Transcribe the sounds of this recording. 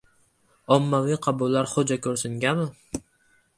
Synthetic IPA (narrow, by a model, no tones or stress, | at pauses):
ɒmːaviqʰɑbʊlːaɾχod͡ʒakʰʲɵɾsɪŋɡʲamɪ